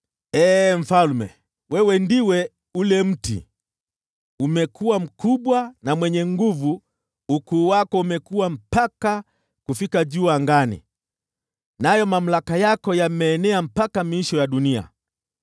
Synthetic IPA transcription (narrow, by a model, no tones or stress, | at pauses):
ɛːm̩falmɛ̰ | wɛwɛndiwɛ | ulɛm̩tḭ | umɛkʰuwam̩kuɓwanamwɛɲɛŋɡuvu | ukuːwakɔumɛkuwam̩paka | kufikaʄuaŋɡanḭ | najɔmam̩lakajakɔjamɛːnɛam̩pakamiiʃɔjaɗunia̰